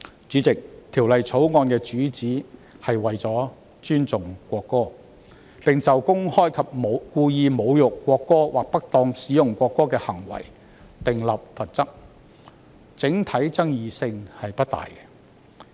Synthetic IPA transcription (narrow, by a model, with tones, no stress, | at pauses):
t͡ʃyː˨˥t͡sɪ˨k̚t̪ʰiː˨˩wlɐ˨jt͡sʰo˨˥wŋɔː˧nkɛː˧t͡ʃyː˨˥t͡siː˨˥hɐ˨jwɐ˨jt͡sɔː˨˥ | t͡ʃyː˥nt͡sʊ˨ŋkʷɔː˧kːɔː˥ | pɪ˨ŋt͡sɐ˨wkʊ˥ŋhɔː˥jkʰɐ˨p̚m˨kuː˧jiː˧mo˨˧wjʊ˨kːʷɔː˧kːɔː˥waː˨k̚pɐ˥k̚t̪ɔː˧ŋsiː˨˥jʊ˨˩ŋkʷɔː˧kːɔː˥kɛː˧hɐ˨˩ŋwɐ̰˨˩j | t̪ɪ˨ŋlɐ˨p̚fɐ˨t̚t͡sɐ˥k̚ | t͡sɪ˨˥ŋt̪ʰɐ˨˥jt͡sɐ˥ŋjiː˧sɪ˧ŋhɐ˨jpɐ˥t̚t̪a̰ː˨jkɛ˧